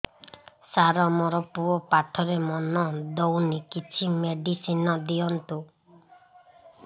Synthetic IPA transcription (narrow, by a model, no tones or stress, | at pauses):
saɾɔmɔɾɔpuɔpaʈʰɔɾemɔnɔd̪ownikit͡ʃʰimeɖisinɔd̪iɔnt̪u